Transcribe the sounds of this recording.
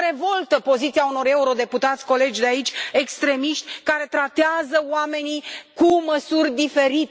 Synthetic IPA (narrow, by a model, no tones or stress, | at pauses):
ɾe̞vo̞lt̪əpo̞zit̪siauno̞ɾe̞uɾo̞d̪e̞put̪at̪sʲko̞le̞d͡ʒʲd̪eait͡ʃʲe̞kst̪ɾe̞miʃt̪ʲkaɾe̞t̪ɾat̪eazəwame̞nikuməsurʲd̪ife̞ɾit̪